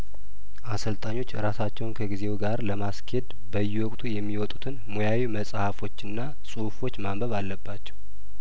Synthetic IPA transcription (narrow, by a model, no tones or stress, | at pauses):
ʔasəlt̪ʼaɲːo̞t͡ʃːɾasat͡ʃːɛwnkʰəɡize̞wɡaɾləmaskʰhed̪ | bəjːɛwɔkʼt̪ʰujɛmːiwɔt̪ʼut̪ʰɨnmojawiməsʼhafo̞t͡ʃːɨnːa | sʼuhfo̞t͡ʃːmambəβalːəbːat͡ʃːɛ̥w